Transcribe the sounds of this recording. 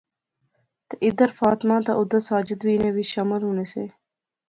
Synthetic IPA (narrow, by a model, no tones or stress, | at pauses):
t̪eʔɪd̪əɾfaːt̪mãːt̪a̰ːʔʊd̪əsaːd͡ʒət̪ʋiːnẽːʋiːʃəməlɦuːneːseː